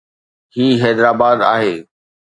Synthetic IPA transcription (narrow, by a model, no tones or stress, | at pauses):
hiːɦɛːd̪ɾaːbaːd̪a̰ːɦeː